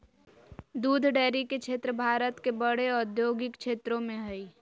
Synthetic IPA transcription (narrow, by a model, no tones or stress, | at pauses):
d̪uːd̪ʱɖɛːɾikekt͡ʃʰeːt̪ɾəbʱaːɾət̪kebəɽeɔd̪ʱjoːɡɪkt͡ʃʰeːt̪ɾõmẽɦəi